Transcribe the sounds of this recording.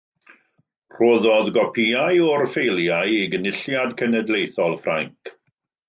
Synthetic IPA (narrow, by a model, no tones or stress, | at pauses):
r̥oːðɔðɡɔpʰiajɔrfejlˠjajiɡənɪɬjadkʰənədlejθɔlˠfra̰ŋk